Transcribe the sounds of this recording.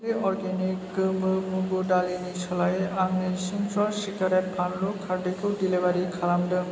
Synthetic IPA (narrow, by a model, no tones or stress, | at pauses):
leʔɔɾɡenikːɯmɯmubudalinit͡ʃʰɔlajaŋnesimsʰɔlsikaɾet̚pʰanlokʰaɾdekodilebaɾikʰalamdɯ